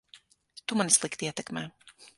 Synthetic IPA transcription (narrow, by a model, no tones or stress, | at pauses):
t̪umanislˠikt̪iiɛt̪ɛkmɛː